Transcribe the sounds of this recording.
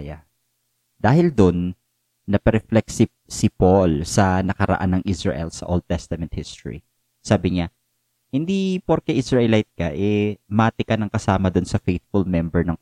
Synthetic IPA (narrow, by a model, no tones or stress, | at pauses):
ja | d̪aːhɪld̪onː | ɐpɛɾɛflɛksɪ | sɪpolsɐnɐkɐɾɐ̰ʔa̰nːɐŋʔisɹɐ̰ʔɛ̰lsɐ̰ʔold̪̚t̪ɛst̪ɐmɛnt̪hɪst̪ɹḭ | saːbɪɲa | hɪnd̪ipoɾkɛʔɪsɹɐʔɛlajt̪̚kɐʔɛmaːt̪ɪkɐnɐŋkɐsaːmɐd̪ʊnsɐfejt̪̚fʊlmɛmbɛɹnɐŋ